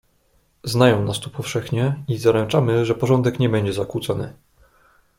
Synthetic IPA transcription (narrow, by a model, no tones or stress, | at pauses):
znajɔ̃w̃nast̪upɔfʂɛxɲɛizaɾɛnt͡ʂamɘʐɛpɔʐɔnd̪ɛkɲɛbɛɲd͡ʑɛzakwut̪sɔnɘ̰